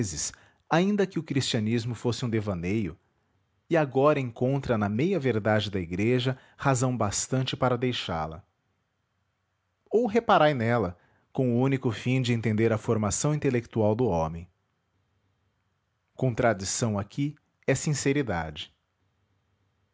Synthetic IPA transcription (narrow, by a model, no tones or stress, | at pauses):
zɪs | aĩnd̪ɐkɪʊkɾist͡ʃiɐnizmʊfosɪũd̪evɐnejʊ | ɪaɡɔɾɐẽŋkõnt̪ɾɐnɐmejɐveɾd̪ad͡ʒɪd̪ɐiɡɾeʒɐ | hazɐ̃w̃bast̪ɐ̃nt͡ʃɪpaɾɐd̪ejʃa̰lɐ̰ | owɦepaɾajnɛlɐ | kõw̃ʊũnikʊfĩd͡ʒɪẽnt̪ẽnd̪eɾɐfoɾmasɐ̃w̃ĩnt̪elekt̪uawd̪ʊɔ̃mẽj̃ | kõt̪ɾad͡ʒisɐ̃w̃akʰi | ɛsĩseɾid̪a̰d͡ʒɪ̥